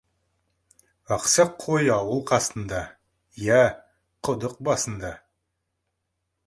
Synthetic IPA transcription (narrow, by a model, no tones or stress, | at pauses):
ɑqsɑqʰojɑwəlˠqʰɑst̪ənd̪ɑ | jæ | qʰʊd̪əq̚bɑsənd̪ɑ